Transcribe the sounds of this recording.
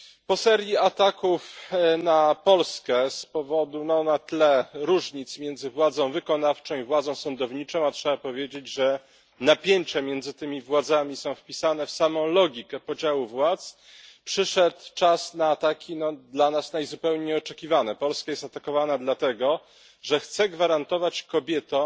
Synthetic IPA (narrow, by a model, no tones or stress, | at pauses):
pɔsɛɾʲjiat̪akufnapɔlskɛspɔvɔd̪unɔnat̪lɛɾuʐɲit̪smʲjɛnd̪zɘvwad̪zɔ̃w̃vɘkɔnaft͡ʂɔ̃w̃ivwad̪zɔ̃w̃sɔnd̪ɔvɲit͡ʂɔ̃w̃atʂɛbapɔvʲjed͡ʑed͡ʑʐɛ | napʲjeɲt͡ɕɛmʲjɛnd̪zɘt̪ɘmʲivwad̪zamʲisɔ̃w̃fpʲisanɛfsamɔ̃w̃lɔɡʲikɛpɔd͡ʑawuvwat̪s | pʂɘʂɛt̪t͡ʂasnaːt̪akʲʰinɔd̪lanasnajzupɛwɲejɔt͡ʂɛkʲivanɛpɔlskajɛst̪at̪akɔvanad̪lat̪ɛɡɔ | ʐɛxt̪sɛɡvaɾant̪ɔvat͡ɕkɔbʲjɛt̪ɔ